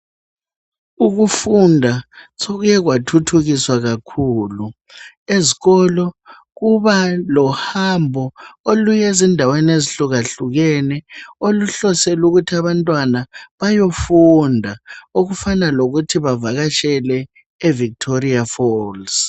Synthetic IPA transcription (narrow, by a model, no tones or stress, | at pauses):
uɣufundʱasoɣujɛɣ̬watʰutʰuɣiswaɣakʰuːlu | eziɣɔlɔ | ɣuβalɔhambʱɔolujezindʱawɛneziɬuɣaɬuɣ̬ɛnɛoluɬɔsɛluɣutʰiaβantʼwanaβajofundʱaoɣufanaloɣutʰiβavaɣaʃɛlɛ | evik̚tʰoriafɔls